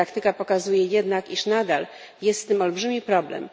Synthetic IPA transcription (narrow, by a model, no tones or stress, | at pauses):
akt̪ɘkapɔkazujɛjɛd̪nakiʂnad̪al | jɛst̪sɘmɔlbʐɘmʲipɾɔblɛ̰m